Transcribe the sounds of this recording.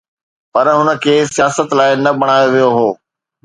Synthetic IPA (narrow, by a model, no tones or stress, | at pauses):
pɐɾɦʊnə̆kʰeːsijaːsət̪laːɪnɐɓɐɽ̃aːjoʋijoɦoː